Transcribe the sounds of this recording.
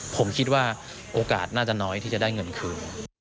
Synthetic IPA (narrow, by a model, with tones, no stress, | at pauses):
pʰo˩˦mkʰi˦˥t̪̚waː˥˩ | ʔoː˧kaː˨˩t̪̚naː˥˩t͡ɕa˨˩nɔː˦˥jt̪ʰiː˥˩t͡ɕa˨˩daː˥˩jŋɤ˧nkʰɯː˧n